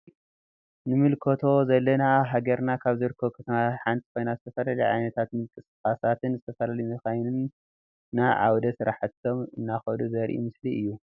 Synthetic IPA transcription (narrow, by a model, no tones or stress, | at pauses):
nɨmɨlkʰot̪ʰo̞zɐlːɐnaɦaɡɐɾnakʰaβzɨɾɨkʰːokʰɐt̪ʰɐmaħant̪ʰi̥ko̞jnazɨt̪ʰɐfɐlɐlɐjʕa̰jnɐt̪ʰat̪mɨlkʼɨskʼasat̪ʰɨnzɨt̪ʰɐfɐlalijmɨxajnɨnː | aʕa̰wd̪ɐsɨɾaħat̪ʰːomɨnːaxɐluzɐɾʔḭmɨsliɨjːu